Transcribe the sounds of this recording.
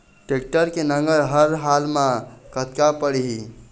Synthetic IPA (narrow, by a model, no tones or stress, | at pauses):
ʈek̚ʈəɾkenəŋɡəɾɦəɾɦalmãkət̪kapəɽiɦi